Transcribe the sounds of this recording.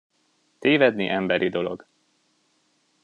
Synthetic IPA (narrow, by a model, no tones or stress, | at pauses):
t̪eːvɛd̪niʔɛmbɛɾʔid̪o̞lo̞̰ɡ